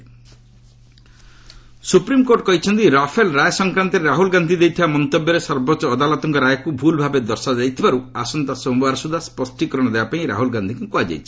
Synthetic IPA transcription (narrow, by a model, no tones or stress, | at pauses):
supɾimkoɾʈ̚kɔɦit͡ʃʰɔnt̪iɾapʰelɾajsɔŋkɾant̪ɔɾeɾaɦulɡand̪ʱid̪ejt̪ʰibamɔnt̪ɔbjɔɾesɔɾbɔt͡ʃɔːd̪alɔt̪ɔŋkɔɾajɔkubʱulbʱabed̪ɔɾsad͡ʒajt̪ʰibaɾuasɔnt̪asɔbaɾɔsud̪ʱaspɔsʈikɔɾɔ̃ɔd̪ebapaĩɾa̰ɦulɡand̪ʱikukuad͡ʒa̰jt͡ʃʰi̥